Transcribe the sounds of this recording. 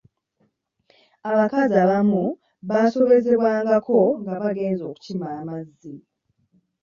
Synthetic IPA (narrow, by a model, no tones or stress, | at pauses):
aβakaziaβamu | βaːso̞βe̞ze̞βwaːŋɡakʰo̞ŋɡaβaɡe̞ːnzo̞ːku̥cimaːmazːi